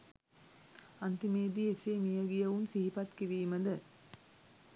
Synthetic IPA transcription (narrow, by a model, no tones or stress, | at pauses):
ant̪imeːd̪iesemijəɡijɐʋunsiɦipat̪kiɾiːməd̪ə